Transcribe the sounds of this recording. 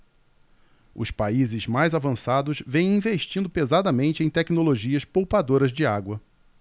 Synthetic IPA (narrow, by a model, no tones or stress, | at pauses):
ʊ̰spaizɪzmajzavɐ̃sad̪ʊʃvẽj̃ĩveʃt͡ʃĩnd̪ʊpezad̪ɐmẽnt͡ʃɪẽj̃t̪ɛknoloʒiɐspowpad̪oɾɐzd͡ʒɪaɡwɐ